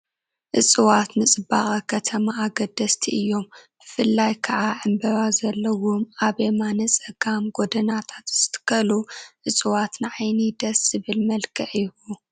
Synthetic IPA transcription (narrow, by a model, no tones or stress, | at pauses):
ʔɨt͡sʼɨwat̪nɨt͡sʼɨbaχʼɐkʰɐt̪ʰɐmaːɡɐd̪ɐst̪ʰiʔɨjːo̞mb̥ɨfɨlːajkʰɐʕaʕɨmbɐβazɐlːɐwomaβemanɐt͡sʼɐɡamɡod̪ɐnat̪ʰḁt̪z̥ɨ̥t̪ʰɨ̥kʰɐluʔɨt͡sʼɨwat̪nɨʕajnid̪ɐszɨβɨlmɐlkʰɨʕjhu